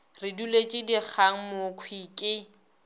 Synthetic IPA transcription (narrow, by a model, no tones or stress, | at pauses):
rɪdulet͡ʃʼɪdik͡xʰaŋ̩mʊkʰwiːkʼɪ